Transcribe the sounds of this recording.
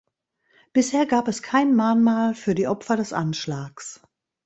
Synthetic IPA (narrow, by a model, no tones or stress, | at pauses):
b̥ɪsheːɐɡaːpɛskʰaɪnmaːnmaːlfyːɐdiːʔɔpfɐdɛsʔa̰nʃlaːks